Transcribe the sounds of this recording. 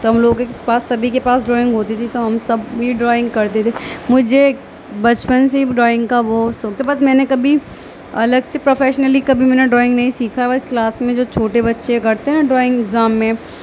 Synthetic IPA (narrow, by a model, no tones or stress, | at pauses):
t̪oɦɐmloːɡpaːsːɐbʱikepaːs̬ɖɾɔːɪ̃ŋɡɦoːt̪it̪ʰit̪oɦɐmsɐbʱiɖɾɔːɪ̃ŋɡkɐɾt̪et̪ʰemʊd͡ʒʱe | bɐt͡ʃpənseɖɾɔːɪ̃ŋɡkaʋoːsoːk̚t̪ʰabɐsmɛ̃ːnekɐbʱi | ɐ̰ləɡsepɾofɛːʃnəlikɐbʱimɛ̃ːneɖɾɔːɪ̃ŋɡnɐɦĩsiːkʰaɛbɐɾklaːsmẽd͡ʒoːt͡ʃʰoːʈebɐtːʃekɐɾt̪eɦɛɖɾɔːɪ̃ŋɡɪɡzaːmːẽ